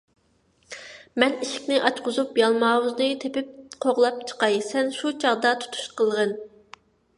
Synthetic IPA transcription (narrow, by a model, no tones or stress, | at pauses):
mɛniʃɪ̥kʲnɪʔɑt͡ʃqʊzupjɑlˠmɑːwuznɨt̪ʰepɪp̚qʰoʁlˠɑp̚t͡ʃʰə̥qɑjsɛnʃut͡ʃʰɑʁd̪ɑt̪ʰu̥t̪ʰu̥ʃqəlˠʁən